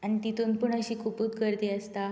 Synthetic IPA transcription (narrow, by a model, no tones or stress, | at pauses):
añit̪it̪unpuɳəɕiːkʰupuːt̪kəɾd̪eːəst̪a